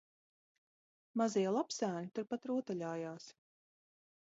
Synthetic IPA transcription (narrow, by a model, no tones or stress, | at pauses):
maziɛlˠapsæːnʲit̪uɾpat̪ɾuɔt̪aʎʲaːjaːs